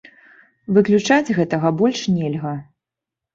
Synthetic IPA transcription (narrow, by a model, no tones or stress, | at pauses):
vɨklʲut͡ʂad͡zʲɣɛt̪ɐɣɐbɔlʲʂnʲɛlʲɣɐ